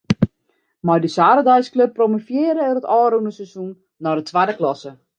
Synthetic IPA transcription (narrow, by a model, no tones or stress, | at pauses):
mɔjdəsaːɾədajskløpːromofjɪːɾəɛɾətɔːɾunəsɛsunː | ɔdətʰʋadəklɔsə